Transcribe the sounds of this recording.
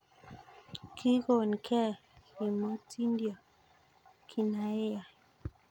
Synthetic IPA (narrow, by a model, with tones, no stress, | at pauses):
kʰi˦ko˨n˨kʰɛ˦˨i˨mo˦tʰi˦ndjɔ˨ | kʰi˨na˨e˦a˨